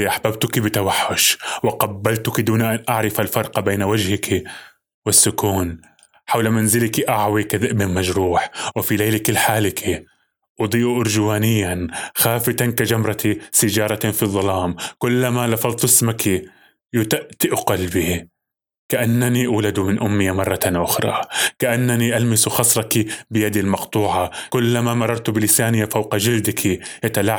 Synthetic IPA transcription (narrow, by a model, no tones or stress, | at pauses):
ʔaħbabt̪ʊkibɪt̪awaħːʊʃwɪqɑbːalt̪ʊkid̪uːnʔanʔaʕɾɪfalfɑɾˤqbeːnwad͡ʒhɪkʰi | wɪsːʊkuːn | ħawlamanzɪlakiʔaʕwikabɪnmad͡ʒɾuːħwɪfileːlikɪlːħaːlɪkʰi | ʔʊd̪ˤiːʔuʔʊɾd͡ʒwaːnɪjːanxaːfɪt̪ankad͡ʒamɾˤɑt̪isɪd͡ʒɑːɾˤɑt̪fiðˤːɑlɑːmkʊlːamalɑfɑðˤt̪ˤɪsmaki | jʊt̪aʔt̪ɪʔqɑlbi | kaʔanːaniʔawlad̪umɪnʔʊmːɪjamɑrˤːɑt̪aʔʊxɾˤɑ̰kaʔanːaniʔalmɪsuxɑsˤɾˤɑkibɪjad̪ilmɑqt̪ˤuːʕɑkʊlːamamɑrˤːɑɾˤt̪bɪlɪsaːnɪjːafawqɑd͡ʒɪld̪ɪkʰijat̪alaʕ